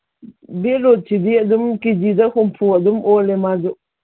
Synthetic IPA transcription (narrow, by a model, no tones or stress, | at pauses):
bilot͡ʃʰid̪iɐd̪umkid͡ʒid̪ɐxumpʰuɐd̪umoːlemad͡ʒo